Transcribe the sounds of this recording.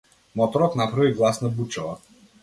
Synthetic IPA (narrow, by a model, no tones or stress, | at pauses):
mɔt̪ɔɾɔt̪napɾaviɡlˠasnabut͡ʃɔva